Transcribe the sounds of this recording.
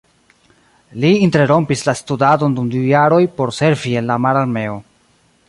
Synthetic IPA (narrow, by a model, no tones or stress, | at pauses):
liːnteɾo̞mpislastudado̞ndumdujaɾo̞jpo̞ɾse̞ɾvie̞nlamaɾaɾme̞o